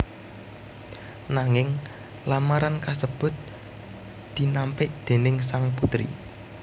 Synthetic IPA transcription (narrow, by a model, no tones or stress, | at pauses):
naŋɪŋ | lamaɾankasəb̥ʊ̤t̪̚ | d̪̥i̤nampɪʔd̪̥e̤nɪŋsaŋput̪ɾḭ